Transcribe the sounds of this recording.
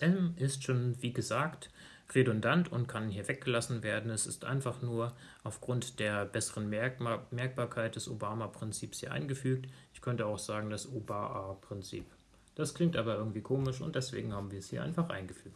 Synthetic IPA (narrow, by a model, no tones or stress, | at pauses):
ʔɛmʔɪstʃoːnviːɡəzaːkt | ʁedʊndantʰʊntkʰanhiːɐvɛk̚ɡ̥əlasn̩veːɐdn̩ɛsɪstʔa̰ɪnfaχnuːɐ | ʔaʊfɡ̥ʁʊntd̥eːɐbɛsəʁənmɛɐk̚b̥aːɐkʰaɪt̚d̥ɛsobaːmapʁ̥ɪnt͡siːpshiːɐʔa̰ɪnɡəfyːk̚tʔɪçkʰœntəaʊxz̥aːɡŋ̩dasobaːʔapʁ̥ɪnt͡sḭːp | d̥askl̥ɪŋktʔaːbɐʔɪɐɡŋ̩tv̥iːkʰoːmɪʃʊ̰nt̚d̥ɛsv̥ḛːɡŋ̩haːbm̩viːɐɛshiːɐʔaɪnfaχʔa̰ɪnɡəfyːk̚t